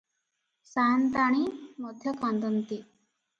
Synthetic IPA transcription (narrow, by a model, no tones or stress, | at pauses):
sant̪aɽ̃imɔd̪ʱjəkãnd̪ənt̪i